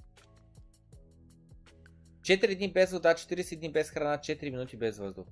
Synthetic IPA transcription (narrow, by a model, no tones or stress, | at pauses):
t͡ʃɛt̪iɾid̪ɲibɛzvɔzd̪at͡ʃt̪iɾisid̪ɲibɛsxɾanat͡ʃɛt̪iɾiminut̪ibɛzvɔzd̪u